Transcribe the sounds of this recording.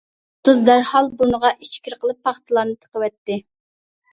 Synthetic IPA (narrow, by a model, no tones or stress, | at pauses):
t̪uzd̪æɾhɑlˠbunəʁɑʔit͡ʃkʲiɾqʰəlˠɨpʰːɑχt̪ʰɨlˠɑːnɨt̪ʰə̥qəwɛt̪ːɪ